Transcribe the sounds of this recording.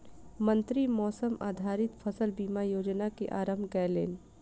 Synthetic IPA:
mə̃nt̪ɾimɔːsəma̰ːd̪ʱaːɾɪt̪fʰəsəlbiːmajoːd͡ʒnakeʔaːɾəmbʱɡɛːlḛːn

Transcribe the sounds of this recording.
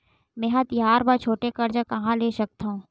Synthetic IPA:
mẽːɦãt̪ɪjaːɾbat͡ʃʰoːʈekɐɾd͡ʒakɐɦãleːʃɐk̚t̪aɦũː

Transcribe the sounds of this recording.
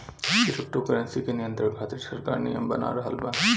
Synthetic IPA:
kisʰukʈokɐɾənsikenijənt̪ɾəɾkʰaːt̪iɾsɐɾkaːɾnḭjəmbɐna̰ɾɐɦɐlbɐ

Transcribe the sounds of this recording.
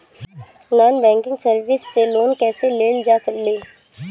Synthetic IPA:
naːnbɛ̃ːŋkɪ̃ŋɡsəɾʋɪsːeloːnkɛːseleːnd͡ʒaːsəleː

